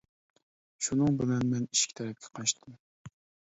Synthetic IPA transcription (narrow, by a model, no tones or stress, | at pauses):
ʃunɨŋbɪlɛnmɛniʃkʲt̪ʰɛɾɛp̚kʲʰɛ̥qʰɑʃt̪ʰɨm